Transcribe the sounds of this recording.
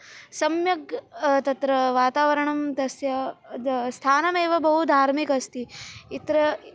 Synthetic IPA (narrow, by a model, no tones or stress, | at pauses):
sɐmjɐɡt̪ɐt̪ɾɐʋaːt̪aːʋɐɾɐɳɐmd̪ɐsjɐ | st̪ʰaːnɐmeːʋɐbɐɦud̪ʱaːɾmikɐst̪iit̪ɾɐ